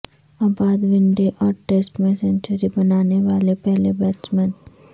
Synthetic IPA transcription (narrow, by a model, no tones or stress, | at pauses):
aːbaːd̪ʋɪ̃ɳɖeʔɔːɾʈeːsʈmẽsɛ̃ɲt͡ʃəɾibɐnaːneʋaːlepɛɦlebɛːt͡ʃmɛn